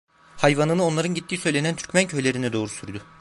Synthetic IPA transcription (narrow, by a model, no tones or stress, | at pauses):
hajvanɯnɯo̞nlˠaɾɯnɟit̪ːiːsøjlʲe̞nænt̪ʰyɾcmæncʰø̞jlʲe̞ɾinɛd̪o̞ːɾusyɾd̪ʊ